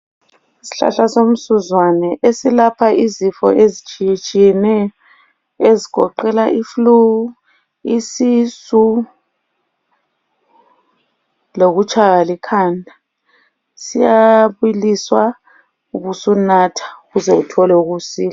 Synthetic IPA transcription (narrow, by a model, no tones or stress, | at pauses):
isi̥ɬa̰ɬasom̩suzwanɛʔesilapʰaʔizifɔ̰ʔezit͡ʃʼit͡ʃʼijɛnɛjɔ | ezikɔ̰ǃɛlaʔifluu | isisu | loɣut͡ʃʰʼaɣalikʰaːndʱa | sijaβuliswa | uβusunatʰḁuɣuzɛutʰɔlɛuɣusiːla